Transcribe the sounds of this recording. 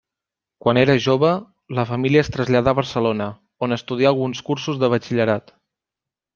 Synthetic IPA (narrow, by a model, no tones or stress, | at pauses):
kwaneɾəʒoβə | ləfəmiliəst̪ɾəzʎaðaːβəɾsəlonə | onəst̪uðiaːlˠɣunskuɾsuzðəβət͡ʃiʎəɾat̪